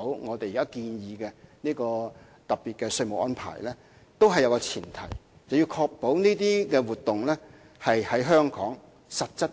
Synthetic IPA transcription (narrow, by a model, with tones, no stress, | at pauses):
wŋɔː˨˧t̪e˨ji˨˩kaː˥kiː˧njiː˨˧kɛː˧niː˥kɔː˧ | t̪ɐ˨pːiː˨t̚kɛː˧sɵ˧ɥmo˨˩k̚ʔɔː˥npʰa̰ː˨˩jlɛː˥ | t̪o˥wɦɐ˨jwkɔ˧t͡sʰiː˨˩nt̪ʰɐ̰˨˩j | t͡sɐ˨wji˧wkʰɔː˧k̚po˨˥wniː˥t̪iː˥kɛː˧wuː˨˩t̪̚ʊ˨ŋlɛ˥ | hɐ˨jhɐ˨˥jɦœː˥ŋkʰɔ̰ː˨˥ŋ | sɐ˨t̚t͡sɐ˥t̚